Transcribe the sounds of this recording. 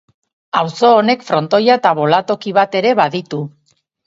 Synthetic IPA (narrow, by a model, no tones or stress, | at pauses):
awso̞ːne̞kfɾo̞nt̪o̞jaet̪aβo̞lat̪o̞kiβ̞at̪e̞ɾe̞βaðit̪u